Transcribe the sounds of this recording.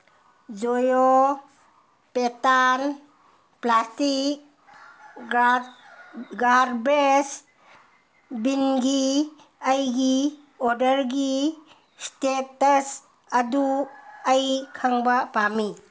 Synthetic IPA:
d͡ʒojo | petan | plastik̚ | ɡaɾbɾes | binɡi | ajɡi | ɔɾdəɾɡi | stetɐs | ɐduajkʰaŋbapami

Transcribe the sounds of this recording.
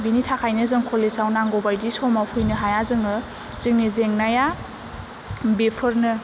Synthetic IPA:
binitʰakʰajnɯzɯŋkʰɔlesawnaŋɡɔbajdisɔmawpʰujnɯɦajazɯŋɯ | z̥iŋnizeŋnaja | bepʰɯɾnɯ

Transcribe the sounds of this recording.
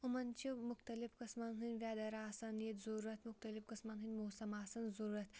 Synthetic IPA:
umɐnt͡ʃʰimʊxt̪ɐlifkɐsmɐnɦɨnʲʋʲaːd̪ɐɾaːsɐnjit̪zuɾuɾɐt̪mʊxt̪ɐlifkɐsmɐnɦɨnʲmoːsɐmaːsɐnzuɾuɾɐt̪ʰ

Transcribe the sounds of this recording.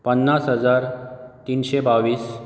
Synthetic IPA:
pənːasɦəd͡zaɾt̪iːnɕebaʋiːs

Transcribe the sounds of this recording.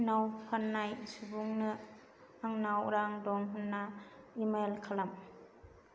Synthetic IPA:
nawpʰanːajsubuŋnɯ | aŋnawɾaŋdɔŋɦɯnːaimalkʰalam

